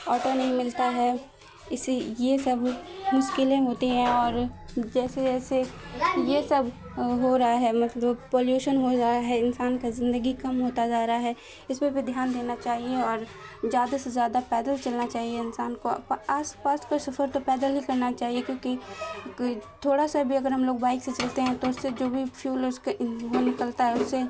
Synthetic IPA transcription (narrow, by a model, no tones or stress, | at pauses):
ɔːʈonɐɦĩmɪlt̪aɦɛ | ɪsejesɐbmʊʃkɪlẽɦoːt̪eɦɛ̃ɔːɾd͡ʒɛːsed͡ʒɛːsejesɐb | ɦoɾɐɦaɦɛmɐt̪ləbpoːljuːʃənɦod͡ʒaːɾaɦɛɪnsaːnkazɪ̃nd̪əɡikɐmɦoːt̪ad͡ʒaːɾaaɦɛː | ɪsmebʱid̪ʱjaːnd̪eːnat͡ʃaːɦieɔːɾzjaːd̪asezjaːd̪apɛːd̪əlt͡ʃɐlnat͡ʃaːɦieɪnsaːnko̰paːspaːskasɐfəɾt̪opɛːd̪əlɦikɐɾnat͡ʃaːɦiekjõːkikt̪ʰoːɽasabʱiɐɡəɾɦɐmloːɡ̚baːɪkset͡ʃɐlt̪eɦɛ̃t̪oʊsːed͡ʒoːbʱipʰjuːlʊskeɦonɪkəlt̪aɦɛʊsːe